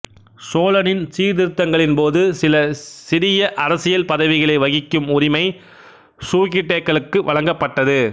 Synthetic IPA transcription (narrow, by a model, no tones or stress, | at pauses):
soːlɐnɪnsiːɾðɪɾɯt̪ːɐŋɡɐɭɪnpoːðɯsɪlɐsɪɾɪjɐʔɐɾɐsɪjɐlpɐðɐʋɪɣɐɭɐɪʋɐɣɪkːɯmʊɾɪmɐɪ | suːɣɪʈːeːkːɐɭɯkːɯʋɐɭɐŋɡɐpːɐʈːɐðɯ